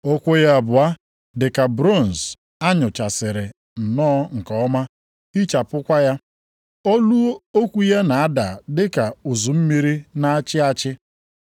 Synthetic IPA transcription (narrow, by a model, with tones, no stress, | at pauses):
o˦kʷo˦ja˦˨bʊ˨a˦ | dɪ˨ka˨bɾo˦˨n̩˨z | a˦ɲʊ˨t͡ʃa˨sɪ˨ɾɪ˨ | n̩˨nɔː˦ŋ̩˨kɔ˨ɔ˦ma˦ | i˦t͡ʃa˨pʊ˦kʷa˦ja˦ | o˦lu˦o˦kʷu˦ja˦na˨a˦da˨dɪ˦ka˨u˨zʊ˨m̩˦mi˦ɾi˦na˦a˦t͡ʃɪ˦a˦t͡ʃɪ˦